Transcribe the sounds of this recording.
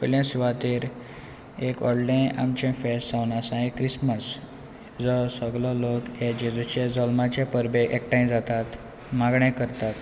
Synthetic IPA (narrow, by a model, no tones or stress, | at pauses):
pəljãsiʋat̪iːɾ | ekɔ̰ɽlẽʔa̰mt͡ɕẽfesʈt͡sawnasãẽkɾisməs | d͡zɔsəɡlɔloked͡ʑed͡zut͡ɕed͡zɔlmat͡ɕepəɾbeʔɛk̚ʈãj̃d͡zat̪at̪ | maɡɳẽkəɾt̪at̪